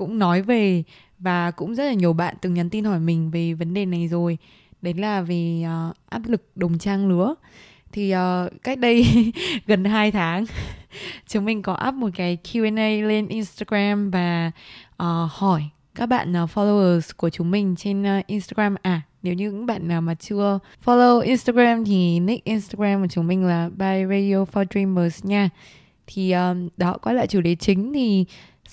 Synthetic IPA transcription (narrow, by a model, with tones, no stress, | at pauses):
kʊ̰˧˥ŋ͡mnɔ˨˦jve˨˩ | vaː˨˩kʊ̰˧˥ŋ͡mzə˦˥t̚laː˨˩ɲi˨˩əwɓa̰ː˧˨nt̪ɨ˨˩ŋɲa˨˦nt̪i˧nhɔ˧˩jmï˨˩ŋ̟ve˨˩və˨˦nɗe˨˩na˨˩jzo˨˩j | ɗə˨˦jlaː˨˩vi˨˩ʔəː˨˩ʔaː˦˥p̚lɨ˨˩k̚ɗə˨˩wŋ͡mt͡ɕaː˧ŋlɨ˨˦ə | t̪ʰi˨˩ʔəː˨˩ka˦˥jk̟̚ɗə˧jɣə˨˩nɦaː˧jt̪ʰaː˨˦ŋ | t͡ɕu˨˦ŋ͡mmï˨˩ŋ̟kɔ˨˦ʔa̰ː˦˥p̚mo˨˩t̚kaː˨˦jkʰu˧ɛ˧nʔə˧jle˧nʔi˧nst̪aː˧ɣɹaː˧mvaː˨˩ʔəː˨˩hɔ˧˩j | kaː˦˥k̚ɓa̰ː˧˨nʔə˨˩fɔ˧lo˧wəː˧˩sku˧˩ət͡ɕu˨˦mï˨˩ŋ̟t͡ɕe˧nː˨˧ʔi˧nst̪aː˧ɣaː˧mʔaː˨˩ne˨˦wɲɨ̰˧˥ŋɓa̰ː˧˨nnaː˨˩wmaː˨˩t͡ɕɨ˧ə | fɔ˧lo˧wʔi˧nst̪aː˧ɣaː˧mt̪ʰi˨˩ni˦˥k̚ʔi˧nst̪aː˧ɣɹaː˧mkt͡ɕu˨˦ŋ͡mmï˨˩ŋ̟laː˨˩ɓaː˧jɹe˧ɗi˧o˧fɔ˧dɹi˧məː˨˩sɲaː˧ | t̪ʰi˨˩ʔəː˨˩ɗɔ̰˨˧˨kɔ˨˦la̰ː˧˨jt͡ɕu˧˩ɗe˨˦t͡ɕï˨˦ŋ̟t̪ʰi˨˩